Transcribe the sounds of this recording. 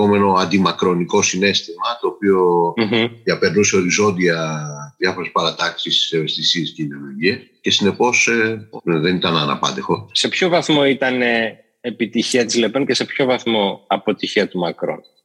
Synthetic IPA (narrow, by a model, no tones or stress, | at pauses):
ome̞no̞ɐnd̪imɐkɾo̞niko̞sine̞st̪imɐt̪o̞ːpio̞ɦ̩ðiɐpe̞ɾnuse̞o̞ɾizo̞nd̪iɐðjɐfo̞ɾe̞spɐɾɐt̪ɐksisevest̪isie̞sceiðeolo̞ʝiesce̞sine̞po̞sðe̞nit̪ɐnɐnɐ̰pɐ̰nd̪e̞xo̞se̞pço̞vɐθmo̞it̪ɐne | epit̪içiɐt̪izle̞pence̞se̞pço̞vɐθmo̞ɐpo̞t̪içiɐt̪umɐkɾo̞̰n